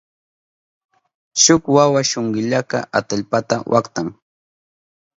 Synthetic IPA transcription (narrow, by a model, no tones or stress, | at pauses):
ʃʊkwawaʃoɴɢɪʎaka̰ʔat̪aʎpat̪awʔakt̪aŋ